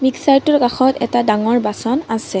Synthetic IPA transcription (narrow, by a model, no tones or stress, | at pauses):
miksaɹtʊɹkaxɔtɛ̰tadaŋɔɹbasɔnasɛ